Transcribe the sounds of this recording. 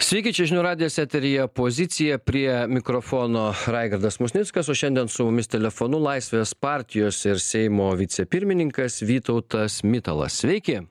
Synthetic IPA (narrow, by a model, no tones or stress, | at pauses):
sʲʋʲɛɪkʲɪt͡ʃʲɛʒʲɪnʊɾɑːd̪ʲɪjoːsʲæːt̪ʲɛɾʲɪjɛpoːzʲɪt̪sʲɪjɛpʲɾʲiɛmʲɪkɾoːfoːnoːɾɑɪɡɐɾd̪ɐsmʊsʲnʲɪtskɐsoːʃʲɛnd̪ʲiɛnsʊmʊmʲɪst̪ʲɛlʲɛfoːnʊlˠɐɪsʲʋʲeːspɑˑɾʲt̪ʲɪjoːsɪɾsʲɛɪmoːʋʲɪt̪sʲɛpʲɪɾʲmʲɪnʲɪŋkɐsʋʲiːt̪ɐʊt̪ɐsmʲɪt̪ɐlˠɐ̰ssʲʋʲɛɪkʲɪ